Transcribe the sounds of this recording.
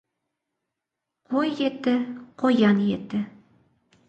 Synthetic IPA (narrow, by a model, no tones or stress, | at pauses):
qʰojːet̪ːɘqojɑnjet̪ːɘ